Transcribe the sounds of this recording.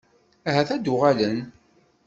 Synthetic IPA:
ɦæθæd̪ʊʁalən

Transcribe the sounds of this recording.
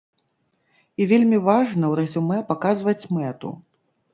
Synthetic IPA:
ivʲelʲmʲivaʐnɐwɾɐzʲumɛpakazvɐt͡sʲmɛt̪ṵ

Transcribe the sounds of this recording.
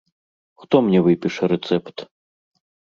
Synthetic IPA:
xt̪ɔmnʲɛvɨpʲiʂɐɾɛt̪sɛpt̪

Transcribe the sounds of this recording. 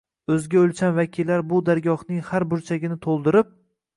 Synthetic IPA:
ɵzɡʲaolˠt͡ʃʰanvakʲʰilːaɾbʊd̪aɾɡʲɒhnɪŋhaɾbʊɾt͡ʃʰaɡʲɪnɪt̪ʰolˠd̪ɪɾɪp̚

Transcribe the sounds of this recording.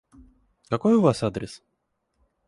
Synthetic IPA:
kakojuvasad̪ɾʲes

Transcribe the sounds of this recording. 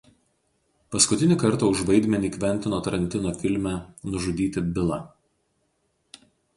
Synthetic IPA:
pɐskʊt̪ʲɪnʲɪkɐɾˑt̪ɐʊʒʋɐɪd̪ʲmʲɛnʲiːkʲʋʲɛnʲt̪ʲɪnoːt̪ɐɾɐnʲt̪ʲɪnoːfʲɪlʲmʲænʊʒʊd̪ʲiːt̪ʲɪbʲɪlˠɑ̰

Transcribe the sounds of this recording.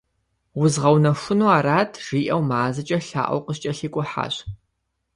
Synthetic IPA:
wʊzʁɐwnɐfʷʊnuaːɾaːtʰʒ̥iːʔɐwmaːzɨt͡ʃʼɐɬa̰ːʔɐ̰wqəɕt͡ʃʼɐɬiːkʷʼʊħa̰ːɕ

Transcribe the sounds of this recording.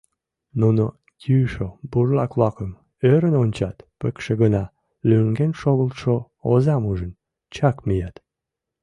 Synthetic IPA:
nuno | kʰyʃoburlɑklɑkəm | øɾənonʲt͡ɕɑt̪pə̆kʃeɣənɑ | lyŋɡenʃoɣəlt̪ʃo | ozɑmuʒən | t͡ɕɑkmijɑt̪

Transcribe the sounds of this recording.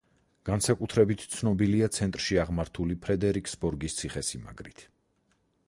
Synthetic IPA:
ɡ̥ansakʼut̪ʰɾɛbit̪ʰt̪sʰnɔbiliat̪sʰɛnt̪ʼɾʃiaʁmaɾt̪ʰulipʰɾɛd̪ɛɾikʰʼsbɔɾɡist̪sʰiχɛsima̰ɡɾit̪ʰ

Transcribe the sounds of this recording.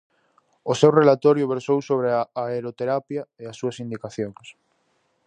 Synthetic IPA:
ʊsewrelat̪ɔɾjʊβeɾsowsoβɾeaːeɾot̪eɾapjɐeasːuɐsind̪ikaθjoŋs

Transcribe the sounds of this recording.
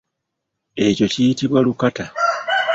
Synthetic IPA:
e̞co̞cijitiβwalukata

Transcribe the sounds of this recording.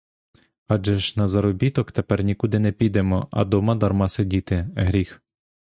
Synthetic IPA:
ɑd͡ʒɛʒnɐzɐɾɔbʲit̪ɔkt̪epɛrnʲikud̪ɪnɛpʲid̪ɛmɔʔɐ̰d̪ɔmɐd̪ɐrmɑsedʲit̪ɪɦɾʲix

